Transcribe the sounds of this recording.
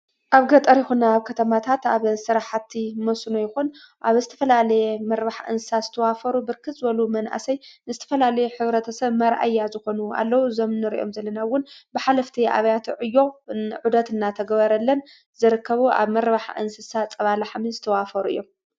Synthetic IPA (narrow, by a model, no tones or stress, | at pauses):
ʔaβɡɐt̪ʼɐɾjɪxunːaːβkʰɐt̪ʰɐmat̪ʰat̪aβɨsɨɾaħat̪ʰːimosunojɪxun | ʔaβzɨt̪ʰɐ̥fɐlalɐjemɐɾbaħʔɨ̰nsɨsazɨt̪ʰɐwafɐɾubɨɾkʰɨt͡sʼɨbɐlumɐnʔa̰sɐjnɨzɨt̪ʰɐ̥fɐlalɐjeħɨβɾɐt̪ʰɐsɐβmɐɾʔa̰jːazɨxo̞nua̰lːɐwuzɐmnːɨɾḭʔo̞̰mzɐlːɐnawʊnbɨħalɐft̪ʰiʔa̰βɐjat̪ʰʕɨjːoʕud̪ɐt̪ɨnːat̪ʰɐɡɐβɐɾɐlːɐn | zɨɾɨkːɐβuʔa̰βmɐɾbaħaʔɨ̰nsɨsat͡sʼɐβalaħaminzɨt̪ʰɐwafɐɾuɨ̰jːom